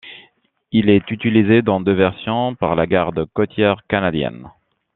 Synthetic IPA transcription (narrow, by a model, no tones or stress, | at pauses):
ilɛt̪yt̪ilized̪ɑ̃d̪øvɛʁsjɔ̃paʁlaɡaʁd̪əkɔt̪jɛʁkanad̪jɛ̰n